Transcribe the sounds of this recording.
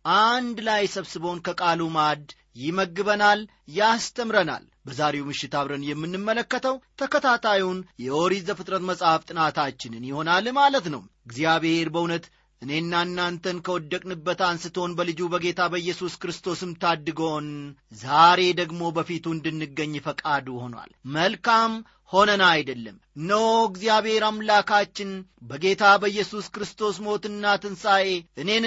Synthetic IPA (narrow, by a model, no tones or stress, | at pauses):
ʔand̪lajsəβsɨβownkʰəkʼalumad̪ | jɪməɡːɨβənal | jast̪ʰəmɾəna̰l | bəzaɾe̞wmɨʃːɪt̪aβɾənjɛmːɨnːɨmːələkːət̪ʰəwt̪ʰəkʰət̪ʰat̪ʰajwnjɛoɾizəfɨt̪ʼɾət̪məsʼhaft̪ʼɨnat̪ʰat͡ʃːɪnɨnjɪho̞nalmalət̪nəwɨɡzjaβeheɾbəunət̪ | ʔɨne̞nːanːant̪ʰənkʰəwɔd̪ːəkʼnɨbːət̪ansɨt̪ʰo̞nbəlɨd͡ʒubəɡe̞t̪ʰabəjːɛsuskɨɾɨst̪ʰo̞sɨmt̪ʰad̪ːɨɡəwnzaɾe̞d̪əɡmo̞bəfit̪ʰuɨnd̪ɨnːɨɡːəɲːfəkʼad̪uho̞nwa̰lməlkam | ho̞nənajd̪əlːəm | nːəwɡzijaβhe̞ɾamlakat͡ʃːɪnbəɡe̞t̪ʰabəjːɛsuskɾɨst̪ʰo̞smo̞t̪ɨnːat̪ɨnsaje̞ʔɨne̞n